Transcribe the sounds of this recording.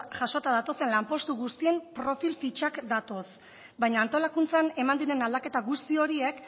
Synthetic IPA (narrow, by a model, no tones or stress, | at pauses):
ʝaʃo̞t̪að̞at̪o̞se̞nlampo̞st̪uɣust̪ie̞mpɾo̞filfit͡ʃakd̪at̪o̞s | bajɲaːnt̪o̞lakunt͡sane̞mand̪iɾe̞nald̪ake̞t̪aɣust̪io̞ɾie̞k